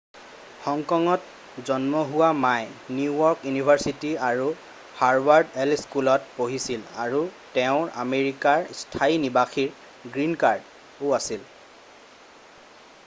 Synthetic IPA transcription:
xɔŋkɔŋɔt | zɔnmɔɦuwamajnuujɔɹkjunibʱaɹsitiaɹu | haɹbaɹdɛlskulɔt̚poɦisila̰ɹutɛʊ̃ɹa̰meɹikaɹstʰainibaxiɹ | ɡɹinkaɹd | ʊasil

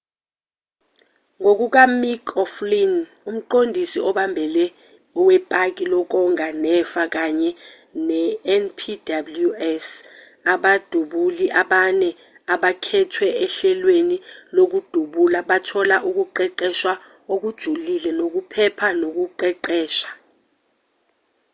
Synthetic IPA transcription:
ŋok̬uk̬amikʰɔflin | um̩ǃondʱisiɔɓambʱɛlɛ | ɔwɛpʼak̬ʼilɔk̬ɔŋanɛfak̬aɲɛ | nɛɛnpʰidabluɛs | aɓad̥ʱuɓuliʔaɓanɛ | aɓakʰɛtʰwɛɛɬɛlwenilok̬ud̥ʱuɓulaɓatʰɔlaʔuk̬uǃɛǃɛʃwa | ok̬ud̥ʒ̥ʱulilɛnok̬upʰɛpʰanok̬uǃɛǃɛːʃḁ

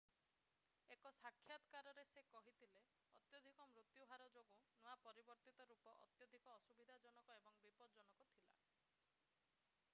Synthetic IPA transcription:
ekɔsakʰːjad̪kaɾɔɾesekɔɦit̪ʰile | ɔt̪jɔd̪ʱikɔmɾut̪jubʱaɾɔd͡ʒoɡunuapɔɾibɔɾt̪it̪ɔɾupɔʔɔ̰t̪jɔd̪ʱikɔːsubid̪ʱad͡ʒɔnɔkɔebɔŋbipɔɾɔd͡ʒɔnɔkɔt̪ʰila̰

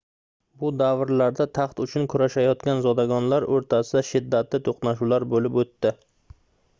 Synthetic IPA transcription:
bʊd̪avɾlaɾd̪at̪ʰɑχt̪ʊt͡ʃʰʊnkʰʊɾaʃajɒt̪kʲanzɒd̪aɡɒnlaɾɵɾt̪ʰasɪd̪aʃɪd̪ːat̪lɪt̪ʰoqnaʃulaɾbolɪpot̪ːɪ

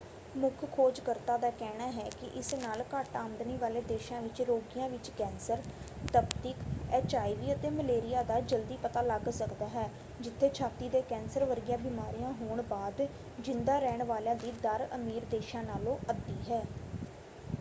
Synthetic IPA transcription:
mʊkʰkʰoːd͡ʒkəɾt̪ãːd̪aːkɛːɽaːɦɛːkɪʔɪsnaːlkəʈaːmd̪niːʋaːleːd̪eːʃãːʋɪt͡ʃɾoːɡɪjãːʋɪt͡ʃkɛ̃ːnsəɾ | t̪əbt̪ɪkɛːt͡ʃaːiʋiːət̪eːməleːɾɪjaːd̪aːd͡ʒəld̪iːpət̪aːləɡsəkd̪aːɦɛː | d͡ʒɪt̪ʰːeːt͡ʃʰaːt̪iːd̪eːkɛ̃ːnsəɾʋəɾɡjãːbiːmaːɾijãːɦoːɳbaːd̪ | d͡ʒɪnd̪aːɾɛːɳʋaːljãːd̪iːd̪əɾəmiːɾd̪eːʃãːnaːlõːʔəd̪ːiːɦɛː

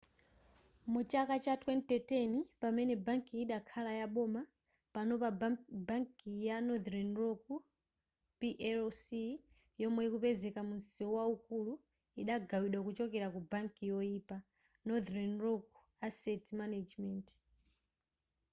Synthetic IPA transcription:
mut͡ʃakat͡ʃatʰwɛntɛtenipamɛnɛbaŋkiːɗakʰalajaɓɔma | panɔpabaŋkijanɔdɾanroku | piʔɛsi | jɔmwɛikupɛzɛkamunsiɔwauk̚ulu | iɗaɡawiɗwakut͡ʃɔkɛɾakubaŋkijɔiːpa | nɔdɾɛnrɔk̚u̥ | asɛtmanad͡ʒmɛnt

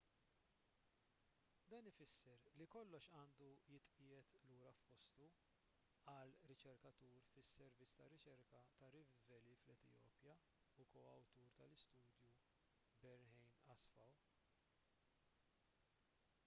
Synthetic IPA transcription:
d̪ɐːnɪfɪsːɛɾlikɔlːɔʃɐːnd̪ujɪt̪ʼʔɪjɛt̪luːɾɐfpɔst̪u | ɐlɾɪt͡ʃɛɾkɐt̪uːɾfɪsːɛɾvɪt͡sːt̪ɐrɪt͡ʃɛɾkɐt̪ɐrɪvɛliflɛt̪ɪ̰jɔ̰ːpjɐ | ʊkɔːɐ̰wt̪uːɾt̪ɐlɪst̪uːd̪ju | bɛɾnhɛjmɐsfɐw

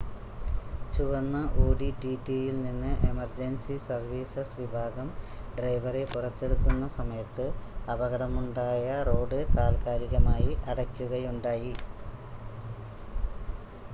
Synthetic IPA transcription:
t͡ɕuʋɐnːɐʔoːɖiʈiʈːijilninːɨʔe̞mɐrd͡ʑensisɐrʋiːsɐsʋibʱaːɡɐm | ɖrɐjʋɐre̞purɐt̪ːe̞ɽukːunːɐsɐmɐjɐt̪ːɨɐbɐɣɐɽɐmuɳɖaːjɐro̞ːɖɨkaːlkaːɾiɣɐmaːjiʔɐɽɐkʲːuɣɐjuɳɖaːji

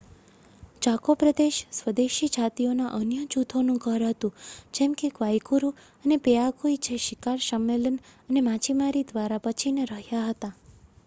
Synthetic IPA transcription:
d͡ʒakopɾəd̪eʃsʋəd̪eʃid͡ʒʱat̪ionaʔənjət͡ʃut̪ʰonũkəɾɦət̪ũd͡ʒemkekʋajkuɾu | ənepeakuit͡ʃʰeʃikaɾsəmːelənənemãt͡ʃimaɾid̪ʋaɾapət͡ʃʰineɾəɦjaɦət̪a

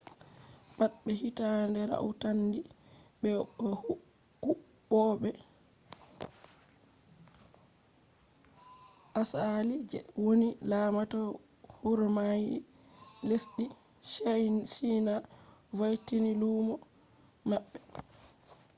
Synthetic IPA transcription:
batɓɛhitandɛɾa̰ʔutandiɓɛ | hu | ɔɓɛ | ʔasalid͡ʒɛ̰wonilamatɔ | huɾmaji | lesɗi | ʃinavajtiniluːmɔ | maɓːɛ

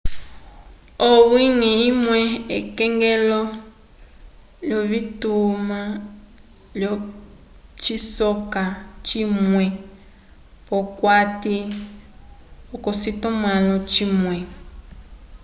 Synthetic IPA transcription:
owiniimwɛekɛŋɡɛlɔ | ljɔβituma | ljɔ | t͡ʃisɔkat͡ʃimwɛ | pɔkwati | okɔsitɔmalɔt͡ʃimwɛ

